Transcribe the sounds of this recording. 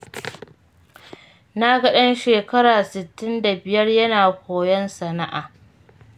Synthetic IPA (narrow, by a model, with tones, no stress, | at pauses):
na˦ɡɐ˦ɗɐ˦nʃeː˨kɐ˦ɾaː˨sɪ˨tːɪ˦nda˨bɪ˨jɐ˦rjɐ˦naː˨hʷoː˨jɔ˦nsɐ˨na˦ʔa̰ː˨